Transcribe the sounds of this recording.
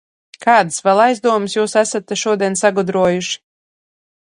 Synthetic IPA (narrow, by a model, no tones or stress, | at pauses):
kaːd̪ɨsvɛlˠajzd̪uɔmɨsjuːsæsat̪ːɛʃuɔd̪iɛnsaɡɔd̪ɾuɔjuʃi̥